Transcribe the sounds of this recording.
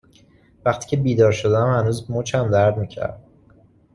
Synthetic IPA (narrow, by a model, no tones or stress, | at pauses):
væxt̪ʰi̥ːcʰe̞biːd̪ɒːɾʃo̞d̪ææmhænuːzmot͡ʃʰæmd̪æɾd̪miːcʰæ̰ɾd̪